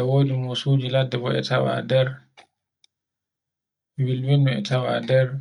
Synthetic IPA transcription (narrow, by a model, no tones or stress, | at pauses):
ɛwoːdimɔsud͡ʒiladːɛbɔɛ̰tawa̰dɛɾ | wilwinːuɛ̰tawa̰dɛɾ